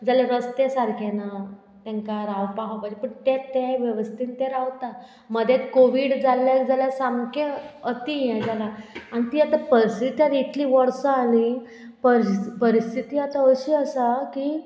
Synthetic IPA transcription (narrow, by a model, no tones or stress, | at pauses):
d͡zaljɾəst̪esaɾkʰena | t̪jãŋkaɾaʋpaɦapad͡ʑepəɳt̪ɛt̪ɛʋjəʋəst̪ʰiːnt̪ɛɾaʋt̪a | məd̪ʱjɛkoʋiːɽd͡zalːjak̚d͡zaljasamkeət̪ijɛ̃d͡zalaañit̪iːat̪apəsit̪jaɾit̪liːʋəɽsəali | pəɾpəɾist̪ʰit̪iːat̪aəɕiːəsakiː